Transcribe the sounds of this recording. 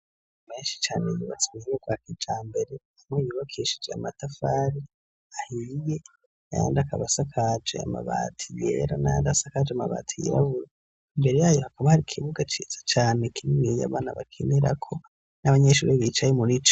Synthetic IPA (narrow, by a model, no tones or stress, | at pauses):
me̞ːnʃi̥t͡ʃaːnejuβa̰t͡simiiŋaɡwakid͡ʒaːmbe̞ɾe̞ | amŋejuβakʰeʃe̥d͡ʒea̰matafaɾi | ahije̞ | aja̰ːndakaβasakʰad͡ʒḛa̰ma̰βa̰tʰijḛɾanaːndasakad͡ʒeamaβa̰ːtʰijḛɾaβuɾa | imbe̞ɾe̞jaːjo̞hakaβahaɾikʰiβuɡat͡ʃiz̥at͡ʃaːnekininija̰βaːnaβakʰeniɾa̰kʰo̞ | naβaɲeʃṵɾeβit͡ʃajemuɾit͡ʃ